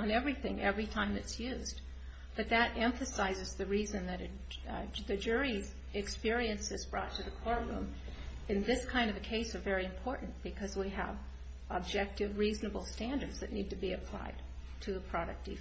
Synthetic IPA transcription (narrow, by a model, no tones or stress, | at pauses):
ə̃nɛvɹiθɪ̰̃ŋʔɛ̰vɹitʰãɪ̃mɨtsjʉzd | b̥ʌt̪̚ðɨɾʔɛ̃ɱfɨsaɪzɨzðɨɹizɨ̃nðɨɾɨ | ðɨd͡ʒʊɹiz | ɨkspɪɹiɨ̃nsɨzbɹɔ̰tʰɨðɨkʰɔɹʔɹṵ̃m | ɨ̃nðɪskʰãɪ̃ndʌvɨkʰeɪsə˞vɛɹiɨ̃mpʰɔɹʔn̩b̥ɨkʰʌzwiə̰v | ə̰b̚d͡ʒɛk̚tɨvɹiznɨbl̩ˠstæ̃ndə˞dz̥ðɨtⁿnid̚tɨbiɨpʰl̥a̰ɪd̚ | tʰɨðəpʰɹ̥ɑɾɨk̚td̥i